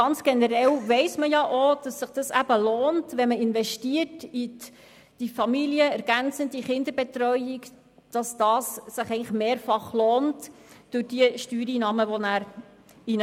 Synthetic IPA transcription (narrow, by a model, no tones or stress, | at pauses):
ɡ̥ɑnt͡sɡ̥ɛnəɾɛlʋɛɪsməjɑʔod̥ɑsːɪχd̥ɑsæb̥əloːntʋɛməɪnvʋɛʃtiərti | d̥ifɑmiliəɛɾɡ̥ænt͡səntdiχɪnd̪əɾbetɾœʏik | d̥ɑsd̥ɑːsːɪχɛɪŋləχmeːɾfɑχloːntd̥ʊɾd̥iəʃtyːɾinɑməʋonæːɾ | in